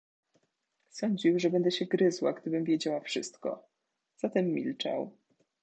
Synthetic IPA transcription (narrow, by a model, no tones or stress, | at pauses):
sɔɲd͡ʑiwʐɛbɛnd̪ɛɕɛɡɾɘzwaɡd̪ɘbɘmvʲjɛd͡ʑawafʂɘ̰st̪kɔ̰ | z̥at̪ɛmːʲḭlt͡ʂa̰w